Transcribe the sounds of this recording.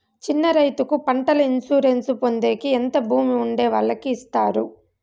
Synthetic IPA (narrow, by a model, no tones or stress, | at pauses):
t͡ʃinːɐɾɐjt̪ukupɐɳʈɐlɐinsuːɾe̞nsupo̞nd̪e̞ːkient̪ɐbʱuːmiuɳɖeːʋɐɭːɐkiːst̪aːɾṵ